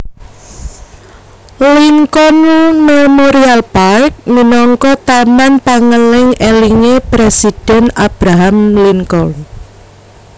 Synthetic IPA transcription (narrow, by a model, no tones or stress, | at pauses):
liŋkɔnumemoɾialpaɪk̚minɔŋkɔt̪amanpaŋəlɪŋeliŋepɾesid̥ɛ̤nab̥ɾaɦamliŋkɔl